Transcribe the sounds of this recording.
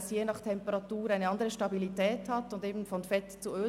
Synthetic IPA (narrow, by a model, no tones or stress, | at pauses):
sjeːnɑχtʰɛmpəʁɑtuːɾaɪnəɑndəʁəʃtɑbilitɛːthatʊndeːbn̩fɔnfɛtt͡suøː